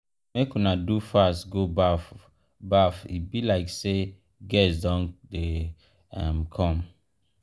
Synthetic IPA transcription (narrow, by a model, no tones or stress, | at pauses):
mekunadufastɡobaf | bafibilaɪkse | ɡɛsdɔ̃nde | amkʰɔ̃m